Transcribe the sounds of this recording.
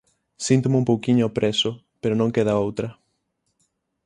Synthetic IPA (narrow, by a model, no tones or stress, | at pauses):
sĩnt̪ʊmɪũmpowkiɲʊɔpɾesʊ | peɾonõŋkeðaowt̪ɾɐ